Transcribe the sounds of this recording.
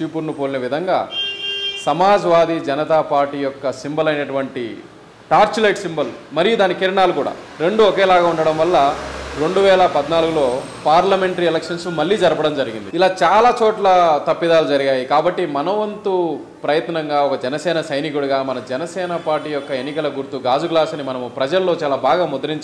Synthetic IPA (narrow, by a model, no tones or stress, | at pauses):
t͡ʃipuɾnupoːlinɐʋid̪ʱɐŋɡa̰ː | sɐmaːd͡ʒɐʋaːd̪id͡ʒɐnɐt̪aːpaːɾʈiːjɔkːɐsimbɐlɐjnɐʈuʋɐɳʈḭ | ʈaːɾt͡ʃilɐjʈsimbɐlmɐɾijud̪aːnikiɾɐɳaːlukuːɽa̰ː | ɾe̞ɳɖuɔkeːlaːɡaːuɳɖɐɽɐmʋɐlːɐɾe̞ɳɖuʋɛːlɐpɐd̪naːluɡulo̞ː | paːɾlɐme̞ɳʈɐɾiɛlɛkʂɐnsmɐɭːiːd͡ʒɐɾɐpɐɽɐmd͡ʒɐɾiɡind̪iilaːt͡ʃaːlaːt͡ʃɔːʈlɐt̪ɐpːid̪aːlud͡ʒɐɾiɡaːjikaːbɐʈːimɐnɐʋɐnt̪u | pɾɐjɐt̪nɐŋɡaːɔkɐd͡ʒɛnɐsɛːnɐsɐjnikuɽuɡaːmɐnɐd͡ʒɛnɐsɛːnɐpaːɾʈiːjɔkːɐe̞nːikɐlɐɡuɾt̪uɡaːd͡ʒuɡlaːsɐnimɐnɐmupɾɐd͡ʒɐlːo̞ːt͡ʃaːlaːbʱaːɡaːmɔd̪ɐɾiɲt͡ʃ